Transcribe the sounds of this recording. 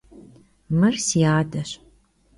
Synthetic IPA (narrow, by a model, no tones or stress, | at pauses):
mɨrsiaːdɐɕ